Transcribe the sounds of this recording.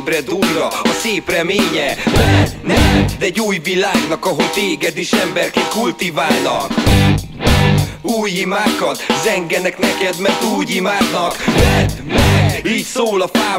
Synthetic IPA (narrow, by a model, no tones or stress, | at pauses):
bɾɛd̪uɡrɒɒseːprɛmeːɲɛmɛnɛd̪ɛɟːuːjvilaːɡnɒkɒɦo̞ct̪eːɡɛd̪iʃɛmbɛrkɛkult̪ivaːlnɒk | uːjhimaːkɒt̪zɛŋɡɛnɛknɛkɛd̪mɛrt̪uːjimaːd̪nɒkmɛt̪miːcsoːlɒfaː